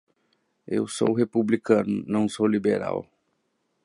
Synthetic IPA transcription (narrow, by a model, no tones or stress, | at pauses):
ḛwso̰wɦepublikɐ̃nʊnɐ̃w̃solibeɾa̰w